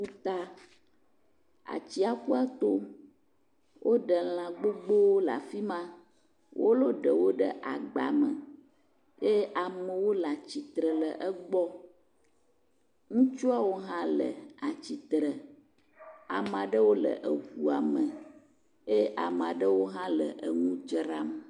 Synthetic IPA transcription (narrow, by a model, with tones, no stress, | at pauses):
u˦t̪a˦ | a̰˨t͡ɕi˦a˨ku˦a˦t̪o˦ | wʔo˦ɖə˨l̃ã˨ɡ͡bo˦ɡ͡bo˦wo˦la̰˨fi˦mã˦ | wʔo̰˦lo˦ɖə˨wo˦ɖə̰˦ʔa̰˨ɡ͡ba̰˨mə̰˨ | je˦ʔa˨mə˨wo˦la˨t͡ɕi˨t̪ɾə˨lə˨ʔə˦ɡ͡bɔ˦ | ŋũ˦t͡ʃu˦a˦wo˦ɦã˦lə̰˨a˨t͡ɕi˨t̪ɾə˨ | a̰˨mã˨ɖə˦wo˦lə̰˨ʔə˨hu˨a˨mə˨ | je˦ʔa˨m˨ã˨ɖə˦wo˦ɦã˦lə̰˨ʔə˨ŋũ˦d͡ʒɾa˦m˨